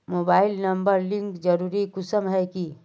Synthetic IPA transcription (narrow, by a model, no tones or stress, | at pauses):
moːbaːɪlnɐmbəɾlɪ̃ŋkd͡ʒəɾuːɾikʊsəmɦɛki